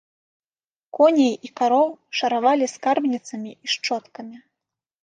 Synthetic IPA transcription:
kɔnʲejikaɾɔwʂɐɾavalʲiskarbnʲit̪sɐmʲiiʂt͡ʂɔt̪kɐmʲi

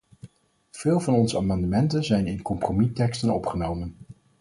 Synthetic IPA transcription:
v̥ɪːlˠvɑnɔnzəaːmɑndəmɛntənzɛjnɪnkɔmpromitɛkstənɔpχənowmən

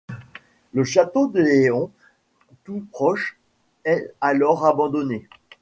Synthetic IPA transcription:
ləʃat̪od̪əleɔ̃ | t̪upχɔʃ | ɛalɔʁabɑ̃d̪ɔne

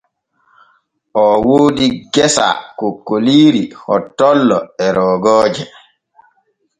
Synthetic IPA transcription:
ʔɔwoːdiɡɛsa̰kokːoliːɾihɔtːɔlːɔɛɾɔːɡɔːd͡ʒɛ

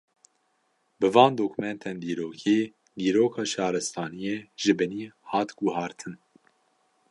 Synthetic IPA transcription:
bɨvɑːnd̪oːkʰumɛnt̪ʰɛnd̪iːɾoːkʰeː | d̪iːɾoːkʰɑːʃɑːɾɨst̪ʰɑːnijeːʒɨbɨniːhɑːt̪ɡuɦɑːɾt̪ʰɨn

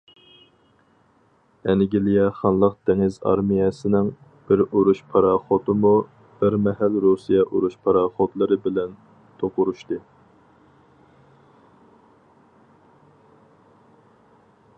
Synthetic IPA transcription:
ɛnɪɡʲilijɛχɑnlˠəq̚d̪ɛŋɪzɑ̰ɾmijɛsɪnɪŋ | b̥ɪɾuɾuʃpʰɑɾɑχot̪ɨmu | b̥ɪɾmɛɦælɾusijɛʔuɾuʃpʰɑɾɑχot̪lˠɨɾɨbɪlɛn | t̪ʰoqʊɾuʃt̪ɨ

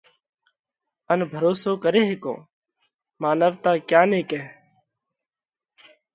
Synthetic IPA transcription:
ənbʱəɾoːsoːkəɾeːɦeko̰ː | maːnəʋt̪aːkjaːneːkẽː

